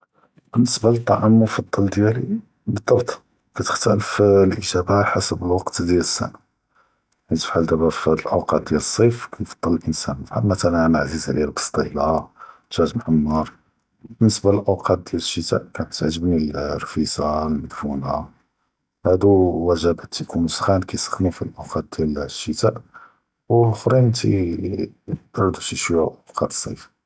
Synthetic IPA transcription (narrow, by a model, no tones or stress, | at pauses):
b̥ənːəsbalət̪ˤːɑʕamːʊfɑd̪ˤːɑld̪jæli | bəd̪ˤːɑbt̪ˤ | kæt̪ə̥xt̪æləflʔəʒæbaħasəbəlwɑqt̪d̪jæləsːæ̰na | it̪ə̥fħald̪æbæflʔəwqɑt̪̚d̪jæləsˤːifkæjfɑ̥d̪̥ˤːɑləlʔənsænfħa̰lmæt̪ælmaʕzizʕlḭlbɑ̥st̪ˤilaʒæt̪mħamːɑɾˤ | bənːəsbaləlʔəwqʰɑt̪̚d̪jæləʃːət̪æ̰ʔkænət̪ʕʒəbnilrˤfisalməd̪funa | hæd̪uwæʒæbæt̪ʰːikʰunusxænkæjsə̥xnufilʔəwqɑt̪̚d̪jælʃːət̪æʔ | wxɾinnt̪ḭ | d̪ɑɾˤd̪uʃiʃwiʕʔəwqɑt̪ə̥sˤːɑjf